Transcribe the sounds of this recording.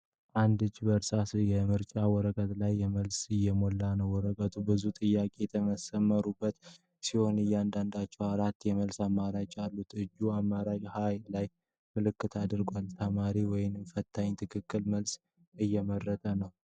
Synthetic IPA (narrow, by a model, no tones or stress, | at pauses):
ʔand̪ɨd͡ʒːbəɾsasjɛmɨɾt͡ʃʼawɔɾəkʼət̪lajːɛməlsɨjːɛmo̞lːanəwwːɔɾəkʼət̪ʰubɨzut̪ʼɨjːakʼe̞jɛt̪ʰəməsəmːəɾubːət̪ | siho̞nɨjːand̪and̪at͡ʃːɛwaɾat̪ːjɛməlsamːaɾat͡ʃʼalːut̪ɨd͡ʒːuamːaɾad͡ʒhajlaj | mɨlɨkːɨt̪ʰad̪ɨɾɡʷalt̪ʰəmaɾiwɔjɪnmfət̪ʰːaɲt̪ʰɨkʰɨkːɨlməls | ɨjːɛmərːət̪ʼənəw